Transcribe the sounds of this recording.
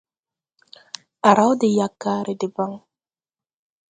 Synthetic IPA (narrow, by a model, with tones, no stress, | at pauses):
a˨ɾa˦wdɪ˨ja˨kːa˦ɾe˨dɪ˨ba˦ŋ